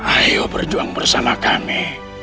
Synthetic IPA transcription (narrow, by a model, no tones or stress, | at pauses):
ajobərd͡ʒuaŋbərsamakami